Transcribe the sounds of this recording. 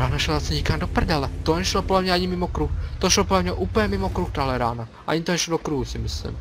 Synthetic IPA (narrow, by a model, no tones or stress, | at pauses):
ɾaːnaʃlɛzasɛɲikaːnd̪ɔpr̩ɟalɛt̪ɔɲɛʃlɔpɔdlamɲaaɲimimɔkɾuːxt̪ɔʃlɔpɔlamɲaʔuːpl̩ɲɛmimɔkɾuxt̪aɦlɛɾaːna | ʔa̰ɲit̪ɔɲɛʃlɔd̪ɔkɾuɦusimislḭm